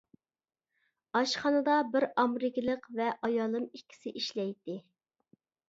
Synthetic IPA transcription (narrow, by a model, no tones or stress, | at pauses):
ɑʃχɑnɨd̪ɑbɪɾɑmɾɪkʲilˠəqvɛʔɑjɑːlˠɨmikʲʰːi̥sɪʔiʃlɛjt̪ɪ